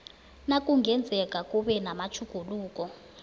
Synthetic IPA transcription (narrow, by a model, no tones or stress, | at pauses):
nakʼuŋɡɛnd͡zʱɛk̬ʼakʼuɓɛnamat͡ʃʰuɡ̥ʱuluːk̬ʼɔ